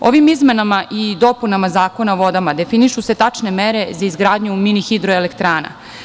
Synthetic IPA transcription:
o̞ʋimizme̞namaʔid̪o̞punamazaːko̞naʋo̞d̪amad̪e̞finiʃuse̞t̪at͡ʂnemeɾe̞zaizɡɾaːd̪ɲuminixid̪ɾoelekt̪ɾaːna̰

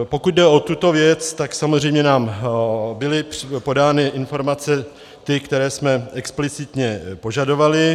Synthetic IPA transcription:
po̞kut̪̚dɛo̞t̪ut̪o̞vjɛt͡st̪aksamozr̝ɛjmɲɛnaːm | bɪlɪppo̞daːnɪʔɪnfo̞ɾmat͡sɛ | t̪ɪkt̪ɛɾɛːsmɛɛksplɪt͡sɪt̪ɲɛpo̞ʒado̞valɪ

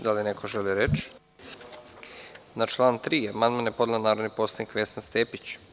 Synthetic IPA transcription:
d̪alinekʰoʒeliɾet͡ʃ | nat͡ʃlˠaːnt̪ɾiːamand̪manjepo̞d̪lanaːɾo̞d̪nipo̞tsanikʋest̪anst̪eːpit͡ɕ

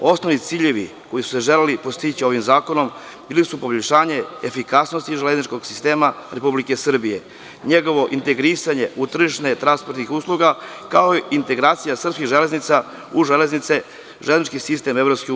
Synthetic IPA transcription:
o̞snoʋnit̪siːʎe̞ʋḭ | ko̞jisu̥seʒe̞lelipost̪it͡ɕio̞ʋimzaːko̞no̞m | biːlisupo̞boʎʲʃaːɲe̞efikasnost̪iʒeleznit͡ʃko̞ɡsist̪e̞ːmaɾe̞publike̞sr̩bije̞ | ɲeɡo̞ʋo̞ʔint̪e̞ɡɾisaɲe̞ʔut̪r̩ʒiʃnet̪ɾanspoɾt̪nixuːslˠuɡakaoiint̪e̞ɡɾaːt̪sijasr̩pskiɣʒe̞le̞znit̪sa | uʒele̞znit̪se | ʒeleznit͡ʃkisist̪e̞me̞vɾo̞pske

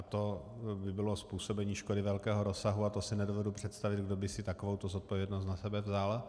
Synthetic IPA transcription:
t̪o̞bɪbɪlo̞spuːso̞bɛɲiːʃkodɪvɛlkɛːɦoɾosaɦuat̪osɪnɛdovɛdupr̥ɛt̪st̪avɪd̪ɡdobɪsɪt̪akovowt̪ozot̪̚povjɛdnos̬t̪nasɛbɛvzal

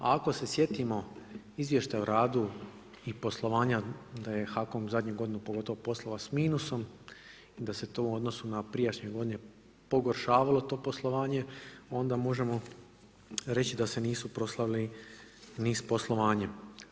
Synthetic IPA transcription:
a̰ako̞se̞sje̞t̪imo̞ | izʋje̞ʃt̪ajuɾaːd̪u | ipo̞slˠo̞ʋaːɲad̪aje̞xako̞mzad̪ɲuɡo̞d̪inupo̞ɡo̞t̪o̞ʋopo̞slˠoʋasmiːnuso̞m | id̪ase̞t̪ouo̞d̪no̞sunapɾijat͡ʃɲo̞ɡo̞d̪ine | po̞ɡo̞ɾʃaːʋalˠo̞t̪o̞ːpo̞slˠo̞ʋaːɲe̞o̞nd̪amo̞ʒe̞mo̞ | ɾe̞t͡ɕid̪ase̞niːsupɾo̞slˠaʋili | nispo̞slˠo̞ʋaːɲem

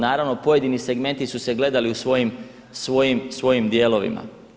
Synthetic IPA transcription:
naːɾaʋno̞po̞je̞d̪inise̞ɡme̞nt̪isuse̞ɡle̞d̪aliusʋo̞jim | sʋo̞jimsʋo̞jimd̪je̞ːlo̞ʋḭma̰

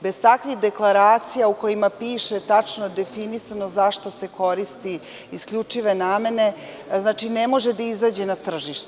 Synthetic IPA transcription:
be̞zt̪akʋiɣd̪e̞klˠaɾaːt̪sijauko̞jimapiːʃet̪at͡ʃnod̪e̞finisanozaʃt̪ose̞ko̞ɾist̪iː | skʎʲut͡ʂiʋe̞naːme̞ne̞ | znaːt͡ʃinemo̞ʒed̪aizaːd͡ʑenat̪r̩ʒiʃt̪e

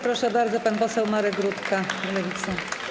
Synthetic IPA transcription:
pɾɔʂɛbaɾd̪zɔpanpɔsɛwmaɾɛɡɾut̪kalɛvʲit̪sa

